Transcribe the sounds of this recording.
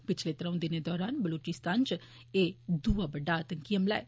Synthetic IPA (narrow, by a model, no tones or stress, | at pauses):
pɪt͡ʃʰleːt̪əɾə̃ʊ̃d̪ɪned̪ɔːɾaːnbəloːt͡ʃɪst̪aːnt͡ʃ | eːd̪uabəɖːaːət̪əŋkijəmla̰ɛ